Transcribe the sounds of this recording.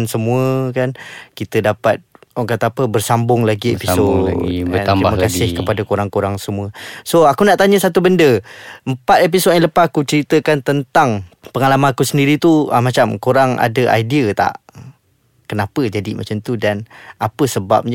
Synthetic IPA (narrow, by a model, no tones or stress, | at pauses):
nsəmũəkankit̪ədapat̪̚ɔŋkat̪aːpəbərsambʊŋlaɡiḛpisoəaiməkasɪhkəpadakoɾaŋkoɾaŋsəmuəsoakunaʔt̪aɲəsat̪̬ubəndəəmpat̪ep̬isoãləpakut͡ʃəɾit̪əkant̪ənt̪aŋpəŋalamankusəndiɾit̪uəmat͡ʃamkoɾaŋa̰dəʔa̰jdiət̪a̰ʔ | kənapəd͡ʒadimat͡ʃamt̪udanapəsəba̰p̚ɲ